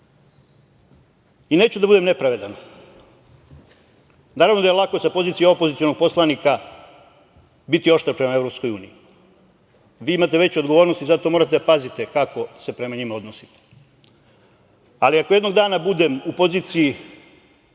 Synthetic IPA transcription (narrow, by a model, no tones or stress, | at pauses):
ine̞ːt͡ɕud̪abud̪e̞mne̞pɾaʋe̞d̪an | naːɾavʋno̞d̪ajelakosapo̞zit̪ijaopozit̪sionoɡ̚po̞slanika | bit̪io̞ʃt̪aɾpɾemae̞vɾo̞pskojuːnḭi | ʋiːimat̪e̞ʋe̞t͡ɕo̞d̪ɡoʋo̞ːɾnost̪izat̪o̞mo̞ɾat̪̬eapazit̪e̞kako̞se̞pɾe̞maɲimao̞d̪nosi̥t̪e̥ | aliakojed̪no̞ɡd̪aːnabud̪emupo̞ziːt̪siji